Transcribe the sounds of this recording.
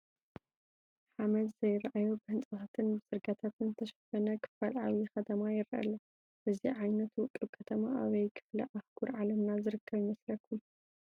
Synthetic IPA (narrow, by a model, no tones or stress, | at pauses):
ħamɐd̪zɐjɾaʔajo̞bɨhɨnt͡sʼɐxat̪ʰɨnbɨsʼɨɾɡat̪ʰat̪ʰɨnt̪ʰɐʃɐfɐnɐkʰɨ̥falʕawixɐt̪ʰɐmajɪɾʔa̰lɐ | ʔɨziʕajnɐt̪wʊkʼɨbkʰɐt̪ʰɐmaʔaβɐjkʰɨ̥flɐ̰ʔaxɡʰuɾʕalɐmnazɨɾɨkʰːɐβjɪmɐslɐkʰːu